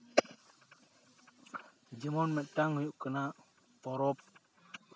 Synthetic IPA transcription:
d͡ʒiŋɔnmɛtaŋjuʔkəna | fɔɾɔp̚

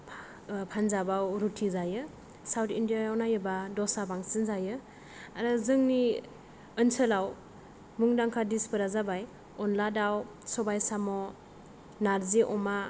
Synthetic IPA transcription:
pʰanzabawɾutʰizajɯ | sawtʰindijaɔnajɯbadɔsabaŋsɯnzajɯ | aɾɯzɯŋni | ənsəlaw | muŋdaŋkʰadispɯɾazabaj | ɔnladaw | sɔbajsamɔ | naɾziʔɔma

